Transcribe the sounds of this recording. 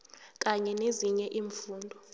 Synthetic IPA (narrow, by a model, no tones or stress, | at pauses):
k̬ʼaɲɛneziɲɛʔiːɱfuːndʱɔ